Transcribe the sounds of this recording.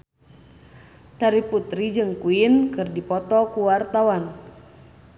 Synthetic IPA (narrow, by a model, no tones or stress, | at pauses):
t̪aɾiput̪ɾid͡ʒɨŋkuinkɨrdipɔt̪ɔkuwart̪awan